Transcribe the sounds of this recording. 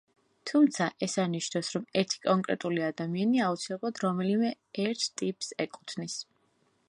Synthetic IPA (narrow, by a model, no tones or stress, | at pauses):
t̪ʰumt̪sʰaʔɛsaniʃnasɾɔmɛɾt̪ʰi̥kʼɔŋkʼɾɛt̪ʼuliad̪amianiaut̪sʰilɛblˠad̪ɾɔmɛlimɛ | ɛɾt̪ʰt̪ʼipʼsɛkʼu̥t̪ʰnis